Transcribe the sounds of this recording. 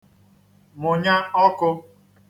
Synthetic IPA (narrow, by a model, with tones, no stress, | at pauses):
mʊ˨ɲa˦ɔ˦kʊ˦